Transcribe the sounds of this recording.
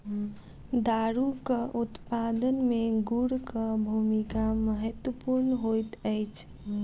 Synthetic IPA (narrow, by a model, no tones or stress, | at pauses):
d̪aɾukəʔut̪pad̪ənmeɡuɽkəbʱumikaməɦət̪wəpuɾnəɦojt̪əjt͡ʃʰ